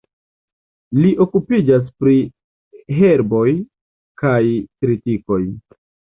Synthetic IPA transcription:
liʔo̞kupid͡ʒas̬pɾi | ɦe̞ɾbo̞j | kajkɾitiko̞j

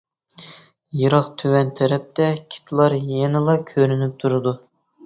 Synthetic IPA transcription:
jɨɾɑχt̪ʰøwɛnt̪ʰɛɾɛp̚t̪ɛkʲʰi̥t̪ʰɨlˠɑɾjɛnɪlˠɑkʲʰøɾynyp̚t̪ʰuɾɨd̪u

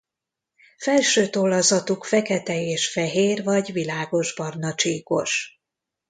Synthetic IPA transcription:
fɛlʃøːt̪olːɒzɒt̪ukfɛkɛt̪ɛeːʃfɛɦeːrvɒɟvilaːɡo̞ʒbɒrnɒt͡ʃiːko̞̰ʃ

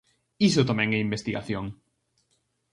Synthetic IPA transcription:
isot̪amɛ̃ŋeimbest̪iɣa̰θjoŋ

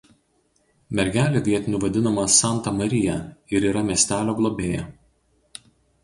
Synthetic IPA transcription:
mʲɛɾʲɡʲæːlʲoːʋʲiɛt̪ʲɪnʲuːʋɐd̪ʲɪnɐmɐsɑˑnt̪ɐmɐɾʲɪjɛɪɾiːɾɐmʲiɛsʲt̪ʲæːlʲoːɡlˠobʲeːjɛ̰

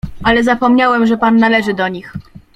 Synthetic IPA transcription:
alɛzapɔmɲawɛmʐɛpanːalɛʐɘd̪ɔɲix

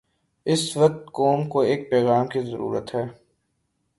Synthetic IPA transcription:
ɪsʋɐk̚t̪koːmkoeːk̚pɛːɣaːmkizəɾṵːɾə̰t̪ɦɛː

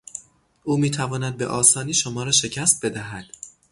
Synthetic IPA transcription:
ʔuːmiːt̪ʰævɒːnæd̪̚beʔɒːsɒːniːʃomɒːɾɒːʃe̞cʰæst̪̚be̞d̪æɦæd̪̥

